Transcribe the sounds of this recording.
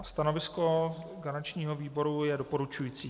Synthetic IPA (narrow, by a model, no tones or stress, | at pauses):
st̪ano̞vɪsko̞ɡaɾat͡ʃɲiːɦoviːbo̞ɾujɛdopo̞ɾut͡ʃujiːt͡siː